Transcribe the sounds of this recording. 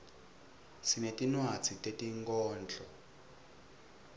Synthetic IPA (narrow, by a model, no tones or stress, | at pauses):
sinetinwat͡sʰitetiŋɡɔːnd͡ɮʱɔ